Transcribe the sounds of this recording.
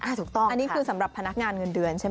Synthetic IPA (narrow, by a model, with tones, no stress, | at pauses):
ʔa˧˩t̪ʰuː˨˩k̚t̪ɔ˥˩a˧nːiː˦˥kʰɯː˧sa˩˦mɾa˨˩pʰːa˧na˦˥k̚ŋaː˧nŋɤ˧ndɯ˧ənt͡ɕʰa˥˩